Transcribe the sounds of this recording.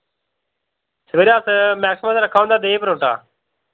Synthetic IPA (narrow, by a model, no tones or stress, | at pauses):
səʋeːɾjaːsmɛːksɪmãːseːɾəkʰːaːʋõnd̪aːd̪eːpəɾõːɳʈa̰ː